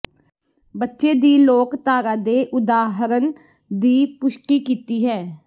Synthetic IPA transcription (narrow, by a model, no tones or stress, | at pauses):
bətːʃeːd̪iːloːkt̪aːɾaːd̪eːʔʊd̪aːɦɾən | d̪iːpʊʃkiːkiːt̪iːɦɛː